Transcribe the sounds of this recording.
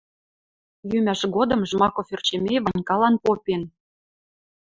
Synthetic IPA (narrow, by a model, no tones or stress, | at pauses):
jymæʃɡod̪ɤ̆mʒmɑkoført͡ɕemʲeβɑnnʲkɑlɑnpopʲen